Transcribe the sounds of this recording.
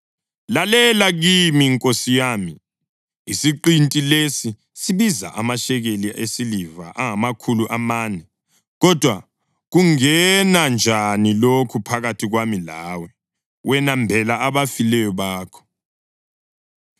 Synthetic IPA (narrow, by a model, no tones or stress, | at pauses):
lalɛlaɣimiŋkʼosijaːmiː | siǃintʼilesi | siβiza̰ʔamaʃɛɣeliesiliva̰ʔaŋamakʰuluʔamaːnɛ | ɣɔd̥ʱwa | ɣuŋɛnand͡ʒʱanilokʰupʰaɣatʰiɣwamilaːwɛ | wɛnambʱɛlaːβafilɛjɔβaːkʰɔ̥